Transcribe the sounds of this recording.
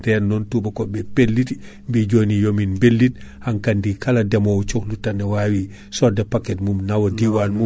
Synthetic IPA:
tɛnːɔntubakɔbɛpelːit | mbid͡ʒonijominbelːit̚haŋkandikaladɛmowt͡ʃoklutanːɛwawi | sɔdɛpakɛtmumnawodiwanmu

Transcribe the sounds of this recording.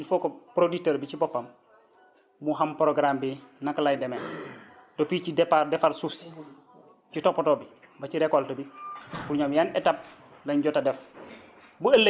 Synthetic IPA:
ifɔkɔpɾoditeɾbicibɔpːɐm | muɦampɾoɡɾambinaklajdɛmɛndopiːcidɛpaɾdɛfaɾsus | citɔpːɔtɔbi | baciɾɛkɔltobibuɾɲomjaːnɛtap̚ | lɐɲɟɔtadɛf | buelːe

